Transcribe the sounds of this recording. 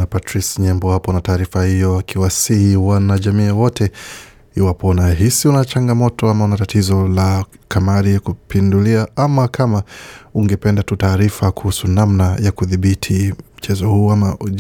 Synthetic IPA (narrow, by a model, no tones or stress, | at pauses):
napatɾisɲɛmbɔhapɔnataːɾifahijɔakʰiwasihiwanaʄamiːawɔtʰɛ | iwapɔnaɦisiunat͡ʃaŋɡamɔtɔamaunatatizɔlakamaɾiakupinduliaamakʰamauŋɡɛpɛndatutaːɾifakuhusunamnajakuðiɓitʰim̩t͡ʃɛzɔhuːama